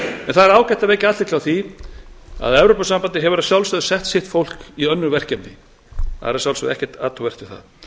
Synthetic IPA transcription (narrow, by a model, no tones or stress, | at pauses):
ɛnθaðɛɾaːwcɛht̪aveːjcɪat̪lɪtlawθi | a̰ðɛvɾopasampant̪ɪɦɛvʏɾasjawlsœðʏsɛht̪sɪht̪fowl̥kiœnːʏvɛr̥cɛpnɪ | θa̰ðɛɾasjawlsœ̰ðɛhcɛ̥t̪a̰ːt̪ʰɔvɛr̥t̪vɪθa̰ð